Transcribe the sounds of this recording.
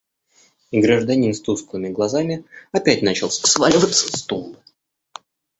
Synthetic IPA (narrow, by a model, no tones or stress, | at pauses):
iɡɾəʐd̪ɐnʲinst̪uskəvɨmʲɪɡlˠɐzamʲɪɐpʲætʲnat͡ɕɪlˠssvalʲɪvət̪sə̥st̪ul